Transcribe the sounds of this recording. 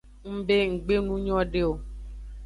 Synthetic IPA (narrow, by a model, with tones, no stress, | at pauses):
ŋ̩˦be˦ŋ̩˨ɡ͡be˦nũ˦ɲɔ̃˦ɖe˦o˨